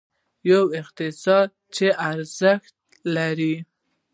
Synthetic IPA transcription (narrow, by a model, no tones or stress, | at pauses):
jawɪqt̪ɪsɑd̪̚ | t͡ʃeʔaɾzəxt̪̚ | laɾi